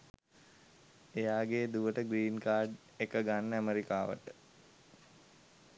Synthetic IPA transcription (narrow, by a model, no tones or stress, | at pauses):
ejaːɡeːd̪uʋəʈəɡɾiːnkaːɾɖ | ekəɡanːəæmeɾikaːʋə̰ʈə